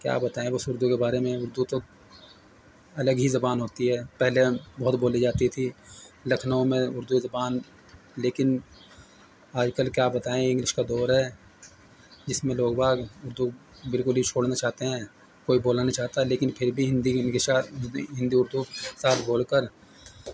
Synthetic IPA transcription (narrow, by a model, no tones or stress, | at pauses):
kja̰ːbɐt̪aːẽbɐsʊɾd̪ukebaːɾemẽʊɾd̪ut̪o | ɐləɡɦizɐbaːnɦoːt̪iɦɛːpɛɦlebɐɦʊt̪boːlid͡ʒaːt̪it̪ʰilɐkʰnõmẽʊɾd̪uzɐbaːn | leːkɪn | aːd͡ʒkəlkjaːbɐt̪aːẽɪ̃ŋɡlɪʃkad̪ɔːɾɦɛ | d͡ʒɪsmẽloːɡbʱaːɡʊɾd̪u | bɪlkʊlɦit͡ʃʰoːɽnat͡ʃaːɦt̪eɦɛ̃ː | koːiboːlanat͡ʃaːɦt̪aɦɛleːkɪnpʰɪɾbʱiɦɪ̃nd̪inkeaɦɪ̃nd̪iʊɾd̪usaːt̪ʰboːlkəɾ